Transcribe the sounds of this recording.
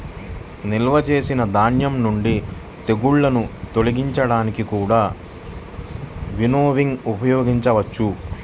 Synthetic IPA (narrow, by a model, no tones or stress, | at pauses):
nilʋɐt͡ʃe̞ːsinɐd̪aːɳjɐmnuɳɖi | t̪e̞ɡuɭːɐnut̪o̞liɡiɲt͡ʃɐɽaːnikikuːɽaː | ʋinoːʋiŋɡupɐjoːɡiɲt͡ʃɐʋɐt͡ʃːu